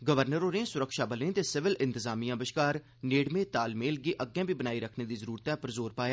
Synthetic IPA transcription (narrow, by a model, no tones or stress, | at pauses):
ɡəʋəɾnəɾoːnẽsʊɾəkʃaːbəlẽːt̪esɪʋɪlʔɪ̃nt̪ɪzaːmijãːbɪʃkaːɾ | neːɽmẽːt̪aːlmeːlɡeːʔəɡːẽːbʱiːbənaːiɾəkʰneːd̪iːzəɾuːɾt̪ɛpəɾzoːɾpaːjaː